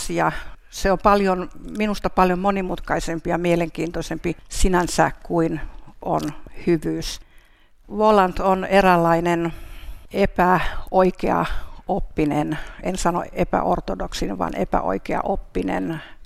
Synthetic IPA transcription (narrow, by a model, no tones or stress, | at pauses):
siɑ | seompɑljonminust̪ɑpɑljommonimut̪kɑisempijɑmieleŋkiːnt̪osempisinænsækkuinʔo̰nhyʋyːs | ʋolɑnt̪onerælːɑinen | epæoikeɑ̰opːinenensɑno̰epæ̰ʔo̰rt̪odoksinʋɑ̰nḛpæ̰ʔo̰ikeɑ̰ʔopːinḛn